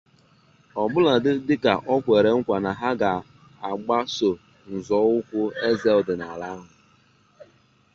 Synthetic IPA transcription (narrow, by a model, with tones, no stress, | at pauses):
ɔ˨bʊ˦la˨dɪ˦dɪ˦ka˨ʔɔ˦kʷe˨ɾe˨˦ŋ̩˦kʷa˨na˨ɦa˦ɡa˨ | a˨ɡ͡ba˦so˨ | n̩˨zɔː˨˦wʊ˦kʷʊ˦e˦ze˨ldɪ˨na˨la˦ɦʊ˨